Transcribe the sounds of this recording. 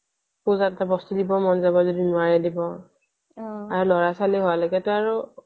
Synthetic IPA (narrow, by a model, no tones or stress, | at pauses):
puzattabɔstudibɔmɔnzabɔzɔdinʊaɹɛdibɔ | aɹulɔɹasaliɦowalɔɡɛtʊaɹu